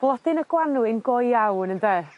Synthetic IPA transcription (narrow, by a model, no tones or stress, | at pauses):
b̥lˠɔd̥ɪnəɡwanuɪnɡɔjawnəndeː